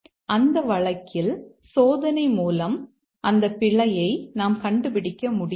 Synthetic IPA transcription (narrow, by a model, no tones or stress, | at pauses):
ʔɐnd̪ɐʋɐɭɐkʰːɪl | soːðɐnɐɪmuːlɐm | ʔɐnd̪ɐpːɪɭɐjɐɪnaːmkɐɳɖɯpɪɽɪkːɐmʊɽɪ